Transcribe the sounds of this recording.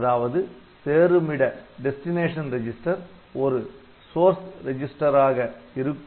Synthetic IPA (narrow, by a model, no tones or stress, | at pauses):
ðaːʋɐðɯ | seːɾɯmɪɽɐɖɛsʈɪneːʂɐnɾɛd͡ʒɪsʈɐɾ | ɔɾɯ | soːɾsɾɛd͡ʒɪsʈɐɾaːɣɐɪɾɯkː